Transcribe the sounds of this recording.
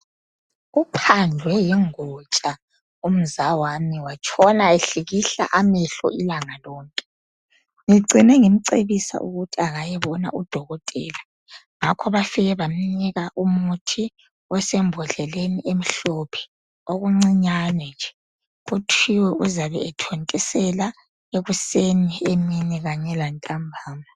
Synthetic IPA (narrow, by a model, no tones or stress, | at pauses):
upʰand͡ɮʱwɛjɛŋɔt͡ʃʼa | um̩zawamiwat͡ʃʰʼɔnaeɬiɣiɬa̰ʔamɛɬɔ̰ilaŋalɔːŋkʼɛ̥ | ŋiǀʱinɛŋim̩ǀeβisa̰ʔṵɣutʰiaɣajɛβɔna̰ud̥ʱɔɣɔtʼɛːla | ŋakʰɔβafɛɣɛβam̩niɣaʔumutʰi | ɔsɛmbʱɔɮɛleniʔem̩ɬɔpʰɛ̥ | oɣuŋ͡ǀiɲanɛnd͡ʒʱɛ | utʰiwɛʔuzaβɛ̰ːtʰontʼɛsɛla | eɣusenieminɛɣaɲɛlantʼambʱaːma